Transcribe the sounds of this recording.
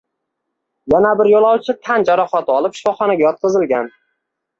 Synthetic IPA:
janabɪɾjolˠɒwt͡ʃʰɪt̪ʰand͡ʒaɾɒχat̪ʰɒlˠɪpʃɪ̥fɒχɒnaɡʲajɒt̪̚qʰɨzɪlɡʲan

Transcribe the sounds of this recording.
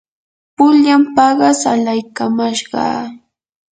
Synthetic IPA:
pʊʎampɑɢɑsalajkamaʃɢɑ̰ː

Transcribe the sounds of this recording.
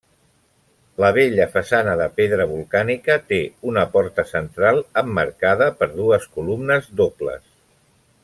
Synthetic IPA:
ləβ̞eʎəfəsanəðəpeðɾəβulˠkanikət̪eunəpɔɾt̪əsənt̪ɾalˠəmːəɾkað̞əpəɾðuəskulumnəzðoplə̰s

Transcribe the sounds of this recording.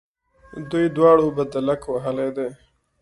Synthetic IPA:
d̪ujd̪wɑːɽobad̪alakwaɦəled̪eː

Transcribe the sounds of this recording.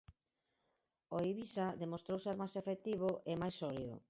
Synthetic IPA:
oiβisaðemost̪ɾowseɾmajsefek̚t̪iβ̞ʊʔemajsːɔliðʊ̰

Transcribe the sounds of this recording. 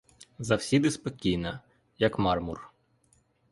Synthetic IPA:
zɐwsʲid̪ɪspɔkʲijnɐ | jɐkmɑrmur

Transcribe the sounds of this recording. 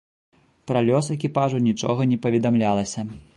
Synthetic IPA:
pɾalʲɔsɛkʲipaʐunʲit͡ʂɔ̰ɣɐnʲɛpɐvʲɛd̪amlʲalˠɐsʲɐ

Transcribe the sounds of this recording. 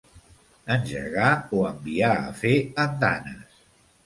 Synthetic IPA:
ənʲʒə̰ɾɣaoəmbiaə̰feənd̪a̰nəs

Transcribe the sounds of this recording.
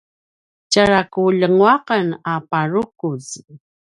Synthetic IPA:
t͡ɕaɹakuʎəŋwaqənapaɻukuz

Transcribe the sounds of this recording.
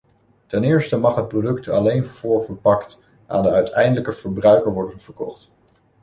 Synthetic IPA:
tɛnɪːɹstəmɑχɦət̚prodɵktɑlejnvʊːɹvəɹpɑkt | ʔa̰ːndəœɥtʰɛjndələkəv̥əɹbrœɥkəɹʋɔɹdənv̥əɹkɔχt

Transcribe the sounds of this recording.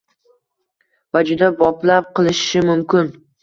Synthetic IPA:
vad͡ʒʊd̪abɒplap̚qʰɨlˠɪʃʃɪmʊmkʲɪn

